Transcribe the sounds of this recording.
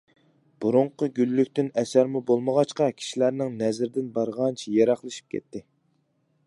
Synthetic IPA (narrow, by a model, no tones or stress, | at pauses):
b̥uɾʊɴqʊɡʲylːykʲt̪ɪnɛsæɾmubolˠməʁɑt͡ʃqɑkʲʰi̥ʃilæɾnɪŋnɛzɪɾd̪ɪnbɑɾʁɑnt͡ʃʰijeɾɑχlˠɨʃi̥p̚kʲʰɛ̰t̪ʰːɪ